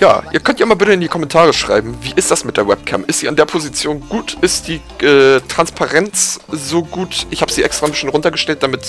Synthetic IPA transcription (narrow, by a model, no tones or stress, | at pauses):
ja̰ːʔiːɐkʰœntjiaːmaːlbɪtəɪndiːkʰɔmɛntʰaːʁəʃʁ̥a̰ɪbm̩viːʔɪstd̥asmɪt̚d̥eːɐwɛp̚kʰɛ̰mʔɪstz̥iːandeːɐpʰozit͡sjoːnɡ̥uːtʔɪstd̥iː | ʔɛːtʁ̥anspʰaʁɛnt͡sz̥oːɡuːtʔɪçhaːbəz̥iːʔɛkstʁ̥aːnbɪsn̩tʁʊntɐɡəʃtɛlt̚d̥amɪt